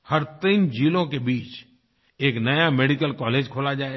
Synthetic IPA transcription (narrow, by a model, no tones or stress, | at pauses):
həɾt̪iːnd͡ʒiːlõkebiːt͡ʃ | eːknɐjameːɖikəlkɔːleːd͡ʒkʰoːlad͡ʒaːe